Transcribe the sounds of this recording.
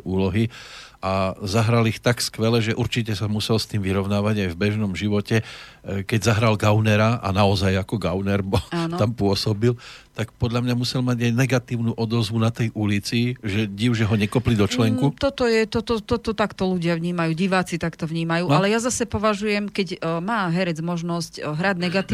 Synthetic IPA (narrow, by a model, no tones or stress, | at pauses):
uːlɔɦi | azaɦɾalixt̪akskʋɛlɛʒɛʔuɾt͡ʃicɛsamusɛlst̪iːmʋiɾɔʊnaːʋaɟajvbɛʒnɔmʒiʋɔcɛkɛɟzaɦɾalɡaʊnɛɾaa̰naɔzajakɔɡaʊnɛɾbɔlant̪ampʊɔsɔbilt̪akpɔd̪ʎamɲamusɛlmaɟajnɛɡat̪iːʊnuːʔɔd̪ɔzʋunat̪ɛjʔulit͡siʒɛɟiʊʒɛɦɔɲɛkɔplid̪ɔt͡ʃlɛŋkut̪ɔt̪ɔjɛt̪ɔt̪ɔt̪ɔt̪ɔt̪akt̪ɔluɟɪaʋɲiːmajuːɟiʋaːt͡sit̪akt̪ɔʋɲiːmajuːalɛjazasɛpɔʋaʒujɛmkɛɟmaːɦɛɾɛd͡zmɔʒnɔscɦɾaɟnɛɡat̪iː